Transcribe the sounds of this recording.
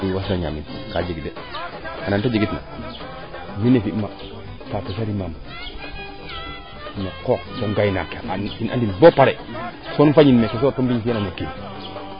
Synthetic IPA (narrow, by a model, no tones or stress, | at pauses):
iwasaɲa̰mitikad͡ʒiɡide | anantad͡ʒiɡitna̰ | minefima | tateʃaɾimam | nekɔksoŋɡajnaka̰aina̰ndinbopaɾesonfaɲinmekesoatombifijananokin